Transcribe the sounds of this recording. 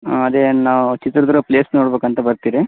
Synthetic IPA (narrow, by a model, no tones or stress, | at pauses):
ɐd̪enaːʋut͡ʃit̪ɾɐd̪ɾupleːsnoːɽbeːkɐnt̪ɐbɐɾt̪iːɾi